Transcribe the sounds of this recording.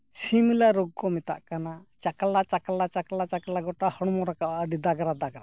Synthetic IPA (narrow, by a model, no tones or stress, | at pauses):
similaɾuɡ̚kɔmɛt̪a̰ʔkanat͡ʃakalat͡ʃakalat͡ʃakalat͡ʃaklaɡɔʈahɔɽmɔɾakaʔaəɖid̪aɡɾad̪aɡɾa